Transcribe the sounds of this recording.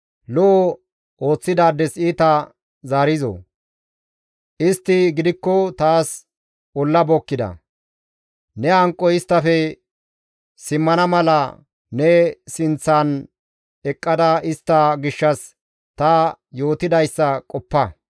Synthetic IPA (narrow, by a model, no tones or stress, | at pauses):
lɔɔ | ʔo̞ːt͡sːɪd̪aːd̪ːɛsiːt̪ɐ | zaːɾɪzo̰ | ʔɪst̪ːɪɡɪd̪ɪkːɔt̪aːs | ɔlːɐbɔkːɪd̪ɐ̰ | nɛɐŋkʼːɔɪst̪ːɐfɛ | sɪmːɐnɐmɐlɐ | nɛsɪnt͡sːɐn | ɛkʼːɐd̪ɐɪst̪ːɐɡɪʃːɐs | t̪ɐjo̞ːt̪ɪd̪ɐjsːɐkʼɔpːɐ